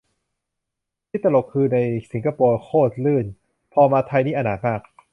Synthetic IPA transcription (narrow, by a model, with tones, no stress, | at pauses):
t̪ʰi˥˩t̪ːa˧lo˨˩kʰːɯː˧na˧jsi˩˦ŋkʰa˧poː˧kʰoː˥˩t̪̚lɯː˥˩n | pʰɔː˧maː˧t̪ʰa˧jniː˥˩ʔa˧naː˨˩t̪̚maː˥˩k̚